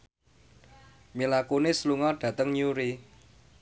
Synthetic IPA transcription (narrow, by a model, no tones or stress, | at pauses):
milakunɪsluŋɔɖ̥ä̤t̪əŋɲuɾi